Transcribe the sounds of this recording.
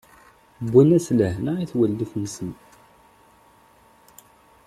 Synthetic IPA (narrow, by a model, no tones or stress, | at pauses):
bʷːunæsləhnaiθwəlːiθnəsən